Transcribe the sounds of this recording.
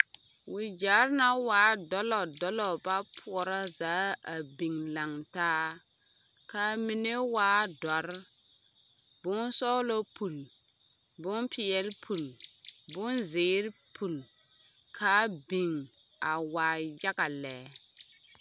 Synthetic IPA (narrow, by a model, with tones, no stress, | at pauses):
wɪ˨d͡ʒa˨˦ɾna˦waː˨˦dɔ˦lɔ˨dɔ˦lɔ˨ba˦pʰʊ˨ɔ˨ɾa˦zaː˨˦a˨bi˨ŋla˨ŋtaː˦ | ka˦mi˨ne˦waː˦dɔ˨ɾ | bʊ˦nsɔ˦lɔ˦pu˨l | bʊ˦npʰi˨ɛ˦lpʰu˨lbʊ˦nzɪː˨˦ɾpʰu˨l | kʰa˦bi˨ŋ | a˨waː˨ja˦ɡa˨lɛ˨